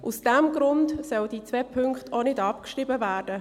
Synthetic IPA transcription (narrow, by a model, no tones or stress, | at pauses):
ʔusd̥ɛmɡɾʊntsœwd̥iːt͡sʋɛpʰʏŋkχtʰonɪdɑpkʃribəvæːrd̥ə